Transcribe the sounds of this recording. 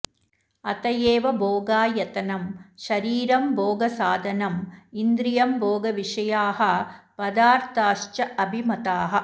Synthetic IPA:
ɐt̪ɐjeːʋɐbʱoːɡaːjɐt̪ɐnɐmʃɐɾiːɾɐmbʱoːɡɐsaːd̪ʱɐnɐmind̪ɾijɐmbʱoːɡɐʋiʂɐjaːɦɐpɐd̪aːɾt̪aːʂt͡ʃɐɐbʱimɐt̪aːɦɐ̆

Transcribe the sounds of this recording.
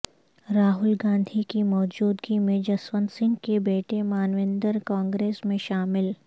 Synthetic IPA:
ɾaːɦʊlɡãːnd̪ʱikimɔːd͡ʒuːd̪ɡimẽd͡ʒɐswənsɪ̃ŋɡkebeːʈemaːnʋẽːnd̪əɾkaːŋɡɾeːsmẽʃaːmɪl

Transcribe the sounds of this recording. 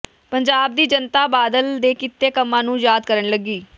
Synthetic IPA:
pəɲd͡ʒaːb̚d̪iːd͡ʒənt̪aːbaːd̪əld̪eːkɪt̪ːeːkəmːãːnũːjaːd̪kəɾəɳləɡiː

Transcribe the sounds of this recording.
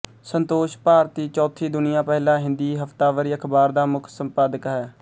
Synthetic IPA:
sənt̪oːʃpaːɾt̪iːt͡ʃɔːt̪ʰiːd̪ʊnɪjãːpɛɦlãːɦɪ̃nd̪iːɦəft̪aːʋəɾiːəkʰbaːɾd̪aːmʊkʰsəmpaːd̪əkɦɛː

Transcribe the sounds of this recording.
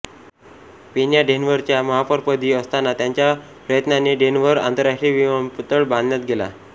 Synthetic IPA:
pinjaɖenʋəɾt͡ɕjaməɦapəɾpəd̪ʱiːəst̪anat̪jaɲt͡ɕja | pɾəjət̪naneɖenʋəɾa̰nt̪əɾːaʂʈɾiːʋiʋmpt̪əɭbãnd̪ʱnjat̪ɡʱela̰

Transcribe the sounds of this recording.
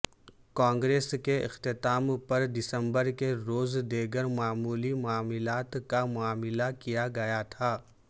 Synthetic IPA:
kãːŋɡɾeːskeʔɪ̰xt̪ɪt̪aːmpɐɾd̪ɪsə̃mbəɾkeɾoːzd̪eːɡəɾmaːmuːlimʊaːmɪlaːt̪kamʊaːmɪlakijaɡɐjat̪ʰaː

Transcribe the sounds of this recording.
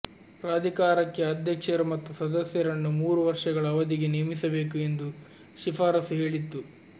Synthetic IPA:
pɾaːd̪ʱikaːɾɐkːe̞ɐd̪ʱjɐkʂɐɾumɐt̪ːusɐd̪ɐsjɐɾɐnːumuːɾuʋɐɾʂɐɡɐɭɐːʋɐd̪iɡenijɐmisɐbe̞ːkue̞nd̪u | ʃifaːɾɐsɦe̞ːɭit̪ːu

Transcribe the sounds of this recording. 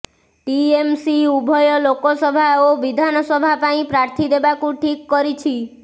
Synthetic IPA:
ʈiemsiubʱɔjɔlokɔsɔbʱaoʋid̪ʱanɔsɔbʱapaĩpɾaɾt̪ʰid̪ebakũʈʰikːɔɾit͡ʃʰi

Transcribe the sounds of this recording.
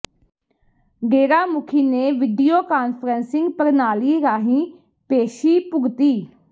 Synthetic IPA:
ɡeːɾaːmʊkʰiːneːʋɪɖijoːkaːnpʰəɾənsɪ̃ŋɡpəɾnaːliːɾaːɦĩː | peːʃiːpʊɡt̪iː

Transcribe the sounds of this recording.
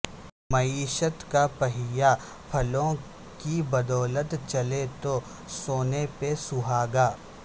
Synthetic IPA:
mɐiːʃət̪kapɐɦɪja | pʰɐlõ | kibɐd̪ɔːlət̪t͡ʃɐlet̪o | soːnepesʊɦaːɡaː

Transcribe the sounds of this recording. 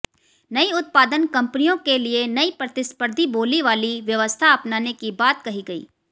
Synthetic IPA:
nɐiʊt̪̚paːd̪ənkɐ̃mpnijõkelienɐipɾɐt̪ɪspəɾd̪ʱiboːliʋaːliʋjɐʋəst̪ʰaɐpnaːnekibaːt̪̚kɐɦiɡɐḭː

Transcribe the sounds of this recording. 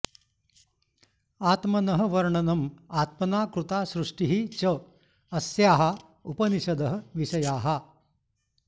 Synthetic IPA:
aːt̪mɐnɐɦɐ̆ʋɐɾɳɐnɐmaːt̪̚mɐnaːkɾut̪aːʃɾuʂʈiɦit͡ʃɐ | ɐsjaːɦɐ | upɐniʃɐd̪ɐɦɐ̆ʋiʃɐjaːɦɐ

